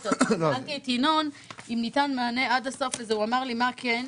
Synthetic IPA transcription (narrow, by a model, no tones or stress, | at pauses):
tooanit̪ino̞n | imnitanmaːne̞adaso̞fezeuamaʁlimaken